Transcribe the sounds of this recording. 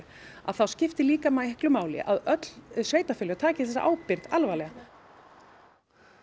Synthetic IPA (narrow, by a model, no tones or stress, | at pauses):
ɾ | a̰ðθawscɪft̪ɪliːkamajhklʏmaːwlɪ̰ʔa̰ðœt̪lsveːjt̪afʏlːʏt̪ʰaːcɪθɛsːa̰ʔaːwpɪɾðalvaːlɛɣa